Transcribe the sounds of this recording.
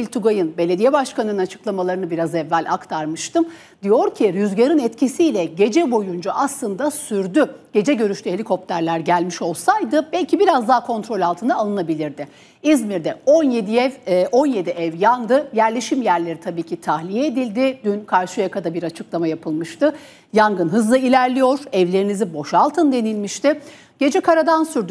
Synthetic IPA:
ilʲt̪ʰuɡajɯnbe̞lʲe̞d̪ijɛbaʃkanɯnɯnat͡ʃʰɯ̥klˠamalˠaɾɯnɯbiɾazɛvːælʲʔa̰kt̪ʰaɾmɯʃt̪ʰɯm | d̪ijo̞ɾcʰiɾyzɟaɾɯnɛt̪cʰisiːlʲɛɟe̞d͡ʒɛbo̞jund͡ʒaaslˠɯnd̪asyɾd̪yɟ̥e̞d͡ʒɛɟø̞ɾyʃt̪ʰyhe̞lʲikʰo̞p̚t̪ʰæɾlʲˠæɾɟælʲmiʃo̞lˠsajd̪ɯbɛlʲcʰibiɾazd̪aɦakʰo̞nt̪ɾo̞lʲalˠt̪ʰɯnaːlˠɯnabilʲiɾd̪ɪ | izmiɾd̪ɛonjed̪ɛvʔo̞nje̞d̪iʔɛvjand̪ɯjæɾlʲe̞ʃimjæɾlʲe̞ɾit̪ʰabiːcʰit̪ʰahlʲijɛːd̪ilʲd̪ɪd̪ynkʰaɾʃɯjakʰad̪abiɾat͡ʃʰɯklˠamajapʰɯlˠmɯʃt̪ʰɯ | jaŋɡɯnɦɯzlˠɯilʲæɾlʲijo̞ɾ̥ɛvlʲe̞ɾinizibo̞ʃalˠt̪ʰɯnd̪e̞nilʲmiʃt̪ʰɪ | ɟ̥e̞d͡ʒɛkʰaɾad̪ansyɾd̪y

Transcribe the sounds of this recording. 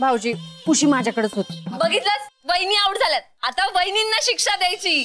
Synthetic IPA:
bʱawd͡ʑiːkuɕiːmad͡ʑʱjakəɽet͡sɦot̪ːbəɡʱit̪ləsʋəjniauʈd͡zʱaljat̪̚at̪ãʋəjninːaɕikʂad̪ajt͡ɕiː

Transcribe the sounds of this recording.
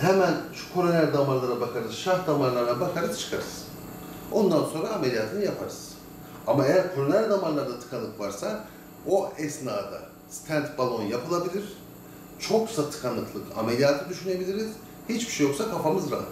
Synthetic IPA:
ɦemænʃu̥kʰo̞ɾonæɾʲd̪amaɾlˠaɾabakʰaɾɯzʃahd̪amaɾlˠaɾnabakʰaɾɯz̥t͡ʃʰɯ̥kʰaɾɯz̥ | o̞nd̪anso̞nɾaːmelʲijaːt̪ʰɯnɯjapʰaɾɯz̥ | amaejæɾkʰo̞ɾonælʲd̪amanlˠaɾd̪at̪ʰɯ̥kʰanˠɯkvaɾsa | o̞ɛsnaːd̪a̰ | st̪ʰænt̪balˠo̞njapʰɯlˠabilʲiɾ̥ | t͡ʃʰo̞ksat̪ʰɯ̥kʰanːˠɯkʰlˠɯkʰa̰melʲijaːt̪ʰɯd̪yʃyne̞bilʲiɾiz̥ | hit͡ʃbi̥ʃɛjo̞ksakʰafamɯzɾa̰

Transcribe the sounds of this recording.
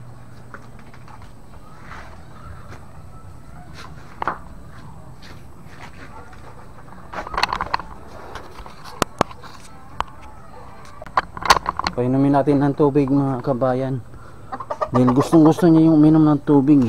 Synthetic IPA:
pɐɪnomɪnaːt̪ɪnɐŋt̪uːbɪɡ̚mɐŋakɐbaːjan | d̪aːhɪlɡʊst̪oŋɡʊst̪oɲajʊŋʔʊmiːnomnɐŋt̪uːbɪɡ

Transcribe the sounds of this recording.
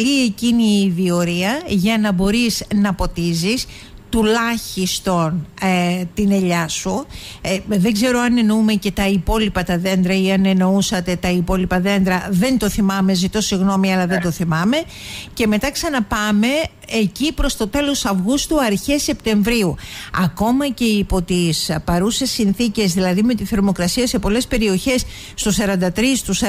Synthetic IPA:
lie̞ciniːðio̞ɾiɐʝɐnɐbo̞ɾiznɐpo̞t̪izis | t̪ulɐçist̪o̞n | t̪ine̞ʎɐsu | ðe̞ɡze̞ɾo̞ɐne̞noume̞ce̞t̪ɐipo̞lipɐt̪ɐðe̞nd̪ɾɐiɐne̞no̞usɐt̪e̞t̪ɐipo̞lipɐðe̞nd̪ɾɐðe̞nt̪o̞θimɐme̞zit̪o̞siɣno̞miɐlɐðe̞nd̪o̞θimɐme̞ | ce̞me̞t̪ɐksɐnɐpɐme̞ː | cipɾo̞st̪o̞t̪e̞lo̞sɐvɣust̪uɐɾçe̞se̞pt̪e̞ɱvɾiuɐko̞mɐce̞ipo̞t̪ispɐɾusesːinθice̞zðilɐðime̞t̪iθe̞ɾmo̞kɾɐsiɐse̞po̞le̞spe̞ɾio̞çe̞sː | t̪usɐɾɐnd̪ɐt̪ɾist̪usɐ

